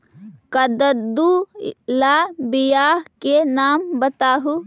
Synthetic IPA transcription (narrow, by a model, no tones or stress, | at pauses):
kɐd̪əd̪ulaːbɪjaːɦkenaːmbɐt̪aːɦu